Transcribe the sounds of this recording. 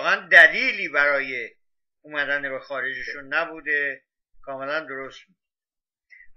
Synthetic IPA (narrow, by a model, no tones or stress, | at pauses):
ɣænd̪æliːliːbæɾɒːje | umæd̪ænebexɒːɾed͡ʒeʃunːæbuːd̪e̞ | kʰɒːme̞lænd̪o̞ɾost̪bud̪